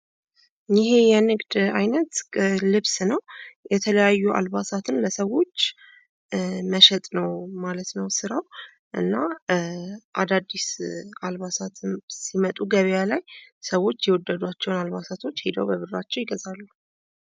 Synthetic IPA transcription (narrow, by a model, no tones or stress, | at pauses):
jɪɦe̞jɛnɨɡd̪ajnət̪lɨβsnəwjɛt̪ʰələjajːuʔa̰lbasat̪ʰɨnləsəwo̞t͡ʃː | məʃɛt̪ʼnəwmalət̪nəwsɨɾaw | ʔɨ̰nːa | ʔad̪ad̪ːisalβasat̪ʰsimət̪ʼuɡəβjalajsəwo̞t͡ʃːjɛwɔd̪ːəd̪uat͡ʃːɛwnalβasat̪ʰo̞t͡ʃːhed̪əwbəβɨrat͡ʃːɛwjɪɡəzalːu